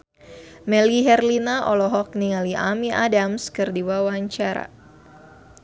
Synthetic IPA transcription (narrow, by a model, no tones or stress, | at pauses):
mɛliɦɛrlinaʔɔlɔɦɔk̚niŋaliʔa̰miʔadamskɨrdiwawaɲt͡ʃaɾa̰